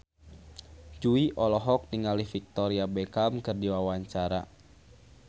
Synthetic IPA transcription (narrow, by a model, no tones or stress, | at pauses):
d͡ʒuiʔɔlɔɦɔk̚niŋalihfik̚t̪ɔɾiabɛkamkɨrdiwawaɲt͡ʃaɾa